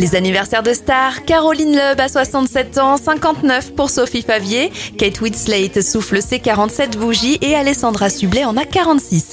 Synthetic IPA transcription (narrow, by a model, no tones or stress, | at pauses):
lezanivɛʁsɛʁd̪əst̪aʁkaʁɔlinlœbaswasɑ̃t̪sɛt̪ɑ̃sɛ̃kɑ̃t̪nœfpuʁsofifavjekɛt̪wid̪slɛjt̪sufləsekaʁɑ̃t̪sɛt̪buʒiʔealɛsɑ̃d̪ʁasyblɛɑ̃nakaʁɑ̃t̪sis